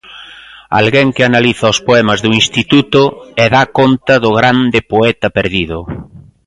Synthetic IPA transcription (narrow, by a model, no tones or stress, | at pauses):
a̰lɣeŋkɪanaliθɐospoɛmɐzðuinst̪it̪ut̪ʊɛðakont̪ɐðʊɣɾand̪ɪpoɛt̪ɐpeɾðiðʊ